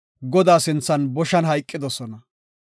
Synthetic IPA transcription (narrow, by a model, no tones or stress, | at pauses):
ɡɔd̪aːsɪnt͡sːɐnbɔʃɐnɦɐjkʼːɪd̪ɔsɔnɐ